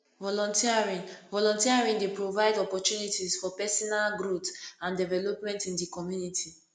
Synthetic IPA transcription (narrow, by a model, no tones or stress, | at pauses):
vɔlɔ̃ntiaɹĩnvɔlɔ̃ntiaɹĩŋdepɹovaɪdɔpɔtjunitisfɔpɛsɔnalɡɾotãndɛvɛlɔpmɛ̃ntĩndikɔmjunitʰi